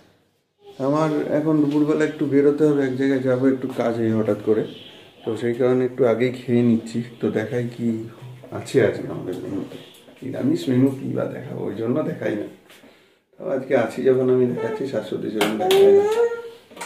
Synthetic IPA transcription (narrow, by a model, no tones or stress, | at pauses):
amaɾɛ̰kʰonɾupuɾbɛlaek̚ʈubʱeɾot̪eɦɔbeɛkd͡ʑajɡajd͡ʑaboek̚ʈukad͡ʑejɦɔʈat̪kɔɾet̪ɔʃejkaɾoneek̚ʈuaɡejkʰeenitːʃʰit̪ɔd̪ɛkʰajkia̰t͡ɕʰiad͡ʑɡea̰ma̰d̪eɾmḛnut̪eḭa̰mismenukḭba̰d̪ɛ̰kʰa̰bo̰ḛjd͡ʑonːod̪ɛkʰajna̰ | t̪ɔbḛad͡ʑkeat͡ɕʰid͡ʒɔkʰonamid̪ɛkʰatːɕʰiʃasot̪id͡ʑonːod̪ɛkʰaja